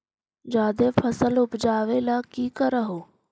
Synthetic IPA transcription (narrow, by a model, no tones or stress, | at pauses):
d͡ʒaːd̪eːpʰəsəlʊpd͡ʒaːʋeːlaːkiːkəɾəɦoː